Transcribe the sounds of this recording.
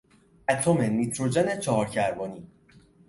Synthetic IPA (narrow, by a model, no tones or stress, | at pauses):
æt̪ʰomemit̪ʰɾod͡ʒenet͡ʃʰɒɦɒːɾcʰæɾbɒːniː